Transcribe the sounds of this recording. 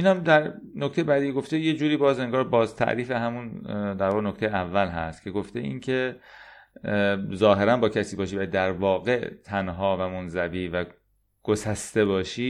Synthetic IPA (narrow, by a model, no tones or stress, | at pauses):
iːnhæmd̪æɾ | nokt̪ejebæd̪iːeɡo̞ft̪eje̞d͡ʒuːɾiːbɒːze̞ŋɡɒːɾbɒːzt̪ʰæ̰ʔɾiːfe̞ɦæmund̪æɾvɒːʁɣenokʰt̪e̞jeævːælɦæ̰st̪kcʰe̞ɡoft̪eʔḭːncʰe̞ | zɒːɦe̞ɾænbɒːcʰæsiːbɒːʃiːbæd̪æɾvɒːɣe̞t̪ʰænɦɒːvæmonzæviːvæ | ɡ̥osæst̪e̞bɒːʃiː